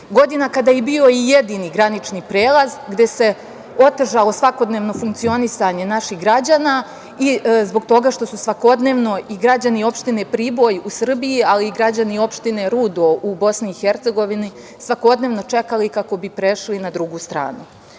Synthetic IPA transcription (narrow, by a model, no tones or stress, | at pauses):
ɡo̞d̪inakad̪aːjebio̞ije̞d̪iːniɡɾanit͡ʃnipɾeːlˠazɡd̪e̞se̞ | o̞t̪ʒalˠo̞sʋako̞d̪ne̞ːʋno̞fuŋkt̪sio̞nisaɲe̞naʃixɡɾad͡ʑaːna | izbo̞ɡt̪o̞ɡaːʃt̪o̞susʋako̞d̪ne̞ːʋno̞iɡɾad͡ʑanio̞pʃt̪ine̞pɾiːbo̞jusr̩bijialiːɡɾad͡ʑanio̞pʃt̪ine̞ɾuːd̪o̞ʔubo̞sniːxeɾt̪se̞ɡo̞ʋini | sʋako̞d̪ne̞ːʋno̞t͡ʃe̞kalikako̞bipɾe̞ʃlinad̪ɾuɡuːst̪ɾa̰ːnu